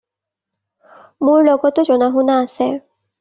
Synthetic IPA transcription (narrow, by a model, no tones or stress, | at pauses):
mʊɹlɔɡɔtʊzɔnaɦunaːsɛ